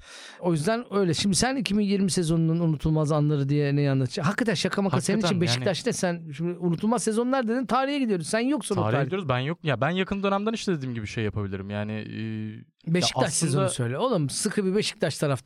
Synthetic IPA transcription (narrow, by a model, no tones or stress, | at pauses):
o̞jyzd̪ænø̞jlʲɛʃimd̪isænicʰibinjiɾmise̞zo̞nunanunut̪ʰulˠmazanlˠaɾɯd̪ijɛnɛjanlˠat̪ʰɯ̥d͡ʒaɦakʰːat̪ʰænʃakʰamaasenit͡ʃinbeʃi̥d̪at͡ʃnɛsænʃimd̪iunut̪ʰulˠmazse̞zo̞nlˠaɾd̪ed̪int̪ʰaːɾihjɛɟid̪ijoɾuzsænjo̞ksunoaɾaaɾiijoɾzbænjok̚jabænjakʰɯnd̪ø̞næmd̪æniʃlɛd̪ed̪iːmɟibiʃe̞jːjapʰabilʲiɾimjaːnɪ̰ː | beʃi̥c̪at͡ʃsezonusø̞jlʲɛolˠaɾmsɯkʰɯbibe̞ʃi̥c̚t̪ʰat͡ʃt̪ʰaɾaft̪